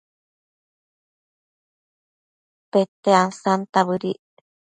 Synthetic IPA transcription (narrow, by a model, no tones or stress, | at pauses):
pet̪eansant̪aβɨɾiʔ